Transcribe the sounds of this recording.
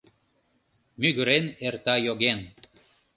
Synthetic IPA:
myɣə̆ɾenert̪ɑjoɣen

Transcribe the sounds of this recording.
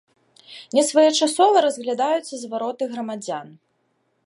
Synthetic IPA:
nʲɛsvajɛt͡ʂasɔvɐɾɐzɣlʲad̪ajut̪sʲɐzvaɾɔt̪ɨɣɾɐmad͡zʲan

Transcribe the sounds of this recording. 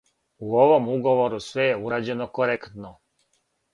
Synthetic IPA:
uoʋo̞muɡo̞ʋo̞ɾusʋejeuɾaːd͡ʑe̞nokoɾekt̪no

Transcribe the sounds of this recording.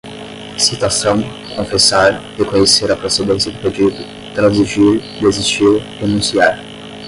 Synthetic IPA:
sit̪asɐ̃w̃ | kõfesaɾd̪ekõɲeseɾɐpɾosed̪ẽsjɐd̪ɪped͡ʒid̪ʊ | t̪ɾɐ̃ziʒiɾ | d̪eziʃiɾ | enũsiaɾ

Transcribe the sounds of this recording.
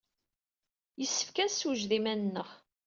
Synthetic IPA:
jəsːə̥fkæsuʒðimænnːəχ

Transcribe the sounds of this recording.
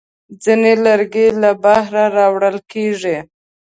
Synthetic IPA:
d͡zinelaɾɡelabahɾaɾɑwɽəlkeʐi

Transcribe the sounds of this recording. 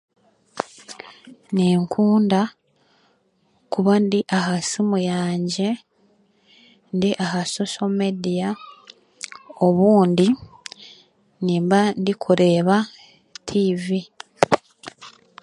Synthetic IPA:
niːŋkʰuːnda | kuβandiʔaɦasimujaːɲɟe̞ | ndiʔaɦaso̞somedija | oβuːndi | niːmbandikʰuɾe̞ːβa | tʰivi

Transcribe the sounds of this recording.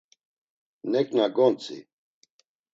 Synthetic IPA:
nɛkʼnaɡɔnt͡sʰʼḭ

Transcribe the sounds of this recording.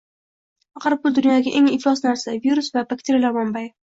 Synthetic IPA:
ɑqɑɾbʊd̪ʊnjɒɡʲaʔe̞ŋɪflˠɒsnaɾsaviɾʊsvabakt̪ʰeɾʲlamɒmbaj

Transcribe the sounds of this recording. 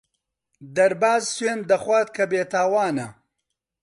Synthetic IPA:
d̪ɐɾbaːzsweːnd̪ɐxwaːt̪̚kʰɐbeːt̪ʰaːwaːnɐ

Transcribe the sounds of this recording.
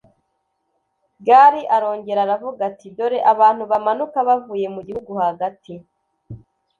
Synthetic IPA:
ɡaɾiʔaɾo̞ːɲɟe̞ɾaɾavuɡatido̞ɾeʔaβaːn̥huβamanukaβavuːje̞muɟihuɡuhaɡati

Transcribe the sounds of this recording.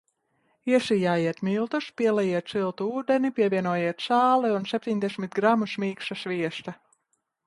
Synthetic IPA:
iɛsijaːjiɛt̪milˠt̪uspʲiɛlɛjiɛt̪silˠt̪uuːd̪enipʲiɛvʲiɛnuɔjiɛt̪saːlɛunsʲep̚ʲt̪ʲiɲʲd̪ɛsʲmʲit̪̚ɡɾamusmʲiːkʃasvʲiɛst̪a

